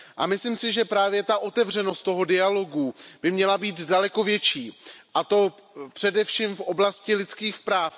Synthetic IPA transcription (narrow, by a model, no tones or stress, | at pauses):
ʔa̰mɪsliːmsɪʒɛpɾaːvjɛt̪aʔo̞t̪ɛvr̝ɛno̞st̪o̞ɦo̞dɪalo̞ɡub̥ɪmɲɛlabiːt̪dalɛko̞vjɛt͡ʃiːʔat̪o̞pr̥ɛdɛfʃiːmfʔo̞blascɪlɪt͡skiːxpɾaːf